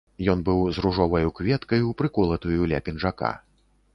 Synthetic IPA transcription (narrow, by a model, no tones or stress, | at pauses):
jɔnbɨwzruʐɔvɐjukvʲɛt̪kɐjuwpɾɨkɔlˠɐt̪ujulʲa̰pʲinʐaka̰